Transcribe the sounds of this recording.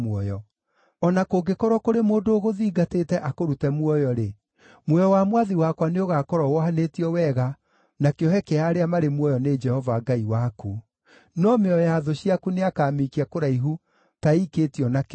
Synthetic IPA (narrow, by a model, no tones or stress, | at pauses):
mwɔjɔ | ɔnakoɡekɔɾɔkoɾemoːndoːɣoðiːɡateːtɛʔakoɾutɛmwɔjɔɾe | mwɔjɔwamwaðiwakwaneoɣakɔɾɔwɔɦanetiɔwɛɣa | nakeɔɦɛkɛaːɾeamaɾemwɔjɔned͡ʒɛhɔvaɡaiwaku | nɔmeɔjaːðoɕiakuneakaːmikiakoɾaiɦu | taiketiɔnak